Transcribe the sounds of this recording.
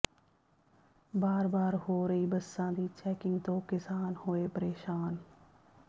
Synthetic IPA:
baːɾbaːɾhoːɾəiːbəsːãːd̪iːt͡ʃɛːkɪ̃ŋɡt̪õːkɪsaːnhoːeːpəɾeːʃaːn

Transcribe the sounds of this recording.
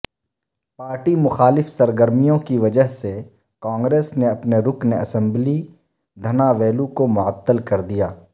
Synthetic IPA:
paːɾʈimʊxaːlɪfsɐɾɡəɾmijõkiʋɐd͡ʒəɦse | kãːŋɡɾeːsneɐpneɾʊkneɐsə̃mbli | d̪ʱɐnaʋeːlukomʊət̪ːəlkɐɾd̪ijaː

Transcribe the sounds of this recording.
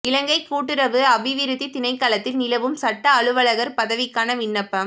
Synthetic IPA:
ɪlɐŋɡɐɪkːuːʈːɪɾɐʋɯɐʋɪʋɪɾɯðit̪ɪnɐɪkːaːlɐt̪ːɪlnɪlɐʋɯmsɐʈːɐːɭɯʋɐɭɐɣɐɾpɐðɐʋɪkːaːnɐʋɪɳːɐpːɐm

